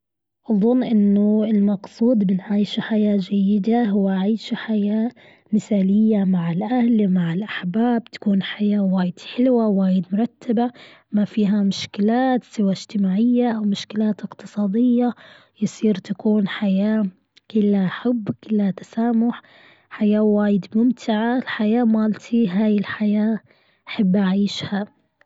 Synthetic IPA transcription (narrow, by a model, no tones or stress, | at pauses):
ʔɑðˤʊnːʔɪnːʊɪlmɑqsˤuːd̪bɪnʕiːʃħajaːd͡ʒajːɪd̪aɦʊwːaʕiːʃħajaː | mɪθaːlɪjːamaʕɪlʔahlmaʕɪlʔaħbaːb̚t̪ḁkuːnħajaːwaːjɪd̪̥ħɪlwawaːjɪd̪mʊɾˤɑt̪ʰːaba | mafiːɦamʊʃkɪlaːt̪sɪwaɪd͡ʒt̪ɪmaːʕɪjːaʔawmʊʃkɪlaːt̪ɪqt̪ɨsˤɑːd̪ɪjːa | jɪsˤiːɾt̪akuːnħajaː | kɪlːaħʊbːkɪlːhat̪ḁsaːmʊħ | ħajaːwaːjɪd̪mʊmt̪ʰɪʕalħajaːmaːlt̪ʰiɦaːjɪlħajaː | ʔaħabːʔaʕiːʃha